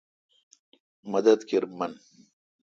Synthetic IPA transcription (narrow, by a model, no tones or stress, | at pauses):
mɐd̪ɐd̪kiɾmɐn